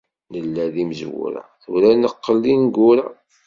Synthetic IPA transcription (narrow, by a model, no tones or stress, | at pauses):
nəlːæðiməzwṵɾæ̰θuɾænəqːəlːinɡʊɾæ